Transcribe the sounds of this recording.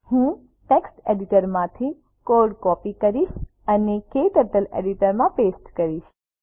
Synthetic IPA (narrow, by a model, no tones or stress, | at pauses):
hũ | ʈeksʈeɖiʈəɾmãt̪ʰi | koɾɖkɔpikəɾiʃəneket̪əɾʈ̪əlḛɖiʈəɾmãpesʈkəɾiʃ